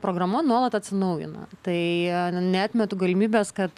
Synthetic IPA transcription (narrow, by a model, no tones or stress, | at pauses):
pɾoːɡɾɐmɐnuɔlˠɐt̪ɐt̪ʲsʲɪnɐʊjɪ̰nɐ̰t̪ɐɪnʲɛɑːt̪ʲmʲɛt̪uːɡɐlʲɪmʲiːbʲɛːskɐt̪